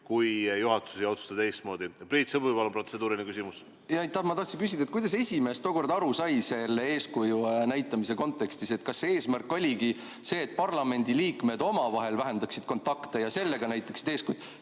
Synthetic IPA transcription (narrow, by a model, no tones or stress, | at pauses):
kujjuɦɑt̪ːˑu̥siot̪su̥t̪ɑd̪ejst̪mo̞ːd̪ipɾiːt̪sɤbupɑlːompro̞t̪sed̪uːɾinekysimus | jɑjt̪ːˑɑhmɑt̪ɑht̪sinŋkys̬ʲid̪ɑet̪̚kujd̪̥ɑs̬esʲime̞ːst̪oːko̞rd̪ɑɾusɑjse̞lːee̞ːskujunæjt̪ːˑɑmise̞ko̞nt̪ːˑe̞kst̪ise̞t̪kɑsːeeːsmærkːˑo̞lʲiɡi | se̞ːt̪̚ːˑpɑrlɑme̞nʲd̪iliːkme̞d̪̥o̞mɑvɑɦe̞lvæɦe̞nd̪ɑksid̪̥ko̞nt̪ːˑɑkt̪e̞jɑse̞lːe̞ɡ̥ɑnæjt̪ːˑɑksi̥d̪eːskujd̪